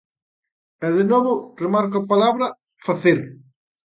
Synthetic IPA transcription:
ɛðenoβʊremaɾk̬opalaβɾɐ | faθeɾ

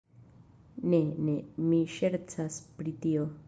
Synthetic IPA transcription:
nenemiʃeɾt͡saspɾitio

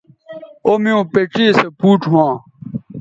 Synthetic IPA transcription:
omiõːpeʈ͡ʂiːsepuːʈwãː

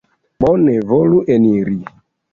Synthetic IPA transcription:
ɓɔnɛvoluʔeniɾi

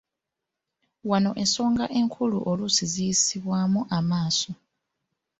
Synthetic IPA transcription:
wano̞ʔe̞nso̞ːŋɡaʔe̞ŋkʰulṵʔo̞lusizijisiβwaːmuʔamaːso

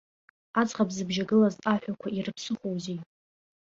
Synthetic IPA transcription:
at͡sχabzɨbʒaɡɨlazaħᶣakʷʰairɨpʰsɨχʷowzi

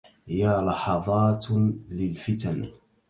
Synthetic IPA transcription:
jalɑħɑðˤɑːt̪lɪlfɪt̪an

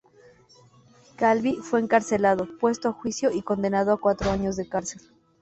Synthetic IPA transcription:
kalβifwe̞ːŋkaɾse̞lað̞opwe̞st̪oaxwisjo̞ʔiko̞nd̪e̞nað̞oakwat̪ɾo̞aɲo̞zðe̞kaɾse̞l

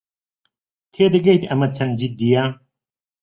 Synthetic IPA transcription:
t̪ʰeːd̪ɐɡɐjt̪ɐmɐd̪̚t͡sʰɐnd͡ʑid̪̚d̪ijaː

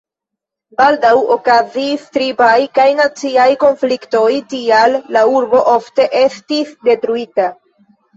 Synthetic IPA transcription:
baldawokazistɾibajkajnat͡siajko̞nflikto̞jtialːauɾbo̞ʔo̞fte̞ʔe̞stisde̞tɾuita

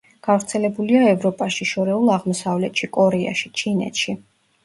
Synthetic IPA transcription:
ɡ̥avɾt̪sʰɛlɛbuliaɛvɾɔpʼaʃiʃɔɾɛulˠaʁmɔsavlɛt̪ʃikʼɔɾɛa̰ʃit͡ʃʰinɛ̰t̪ʃi

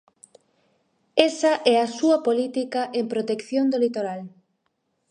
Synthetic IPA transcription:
esɐʔɛɐsuɐpolit̪ikaʔempɾot̪ekθjond̪olit̪oɾal

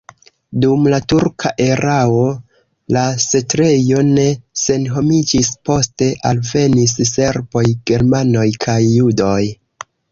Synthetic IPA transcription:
dumlatuɾkʰaʔe̞ɾao̞ | lase̞tɾe̞jo̞ne̞se̞nɦo̞mid͡ʒispo̞ste̞ʔalve̞nisse̞ɾbo̞jɡ̥e̞ɾmano̞jkʰajːudo̞j

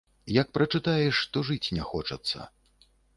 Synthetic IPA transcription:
jɐk̚pɾɐt͡ʂɨt̪ajɛʂt̪ɔʐɨt͡sʲnʲɛxɔt͡ʂɐ̰t̪sːɐ̰

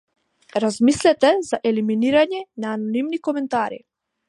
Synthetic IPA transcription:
ɾazmislɛt̪ɛzaʔɛliminiɾaɲɛnaːnɔnimnikɔmɛnt̪aɾḭ

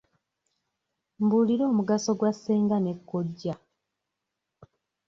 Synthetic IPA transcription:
mbuliɾo̞ːmuɡaso̞ɡwasːeːŋɡane̞kːo̞ɟːa

